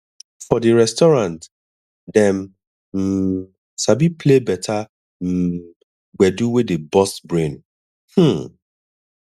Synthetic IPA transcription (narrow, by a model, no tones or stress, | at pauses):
fɔdiɹɛstɔɹãnt | dɛ̃m | m̩ | sabipʰlebɛtʰa | m̩ | ɡ͡bɛduwɪdebɔsbɹẽn | h̩